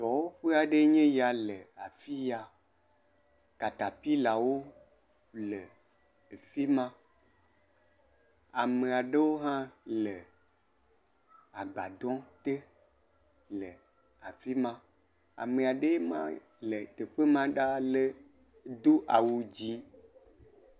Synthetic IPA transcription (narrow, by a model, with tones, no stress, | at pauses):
t̪ɔ˨wo˦ɸe˦a˨ɖe˦ɲẽ˦ja˨le˨a˨fi˦ja˨ | ka˨t̪a˨pi˦la˨wo˦ | lə˨ | e˨fi˦mã˦ | a˨me˨a˨ɖe˦wo˦ɦã˦lə˨ | a˨ɡ͡ba˨d̪ɔ̃˦t̪e˦ | lə˨ | a˨fi˦mã˦ | a̰˨me˨a˨ɖe˦je˦mã̰˦ | le˨t̪e˨k͡pe˦mã˦ɖa˦le˦ | d̪o˦ʔa˨wu˨d͡ʑi˦